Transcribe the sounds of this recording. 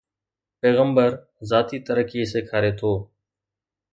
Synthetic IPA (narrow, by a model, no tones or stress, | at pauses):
peːɣəmbəɾ | zaːt̪iːt̪əɾəkieːseːkʰaːɾeːt̪ʰoː